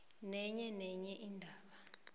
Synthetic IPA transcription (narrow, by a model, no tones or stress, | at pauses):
nɛɲɛnɛɲɛʔiːndʱaːɓa